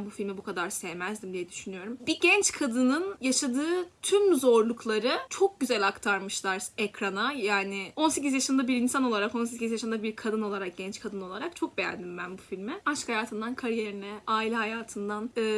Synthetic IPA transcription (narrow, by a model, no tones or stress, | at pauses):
nbufilʲmɛbukʰad̪aɾsɛjmæzd̪imd̪ijɛd̪yʃynyjo̞ɾumbiɟɛnt͡ʃkʰad̪ɯnɯnjaʃad̪ɯːt̪ʰymzo̞ɾlˠuklˠaɾɯt͡ʃʰo̞k̚ɟyzælʲakt̪ʰaɾmɯʃlˠaɾɛkɾanajaːnɪo̞nsec̬izjaʃɯmnd̪abiɾinsano̞lˠaɾako̞nse̞cʲizjaʃɯnd̪abiɾkʰad̪ɯno̞lˠaɾak̚ɟ̥ɛnt͡ʃkʰad̪ɯno̞lˠaɾak̚t͡ʃʰok̚be̞jæ̰nd̪imbænbufilʲmɪaʃkhajaːt̪ʰɯnd̪ankʰaɾije̞ɾinɛaːilʲɛɦajaːt̪ʰɯnd̪anɛː